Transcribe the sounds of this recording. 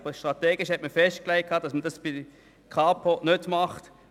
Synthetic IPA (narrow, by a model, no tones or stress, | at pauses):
bəʃtʁɑt̪ɛːɡɪʃhɛtməfɛʃtklæɪkʰːɑːdɑsmədɑsb̥i | kʰɑːpʰonødmɑχt